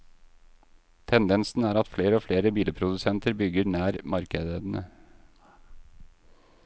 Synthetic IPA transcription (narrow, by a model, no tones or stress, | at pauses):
t̪ʰɛnd̪ɛnsn̩æːɾɑt̪fleːɾəoːfleːɾəbiːləpʰɾʊd̪ʉsɛnt̪əɾbʏɡəɾnæːɾmɑɾkəd̪əd̪n̩ə